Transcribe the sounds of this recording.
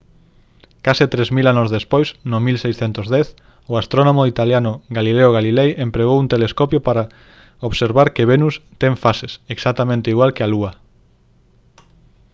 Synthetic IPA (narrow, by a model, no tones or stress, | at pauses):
kasɪt̪ɾɛzmilanozðespojsnʊmilsejsθent̪ozðɛθ | ʊast̪ɾonomoit̪aljanʊɣalileoɣalilejempɾeɣowunt̪eleskɔpjopaɾa | oβseɾβaɾkeβenust̪ɛŋfaseseksat̪amẽnt̪eiɣwalkealuɐ